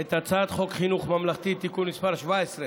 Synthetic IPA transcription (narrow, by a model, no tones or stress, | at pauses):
et̪at͡sad̪χo̞kχinuχmamlaχt̪it̪ikunːispaʁʃvaesʁe